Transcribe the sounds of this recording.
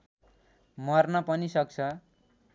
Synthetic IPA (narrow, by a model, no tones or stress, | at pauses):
mʌrnʌpʌnisʌk̚t͡sʰʌ